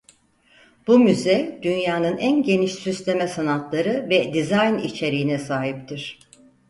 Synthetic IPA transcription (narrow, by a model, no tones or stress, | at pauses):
b̥umyzɛd̪̥ynjaːnɯnʔænɟe̞niʃsyst̪ʰe̞mɛsanat̪ʰlˠaɾɯvɛd̪izajnit͡ʃʰe̞ɾiinɛsaːɦip̚t̪ʰiɾ̥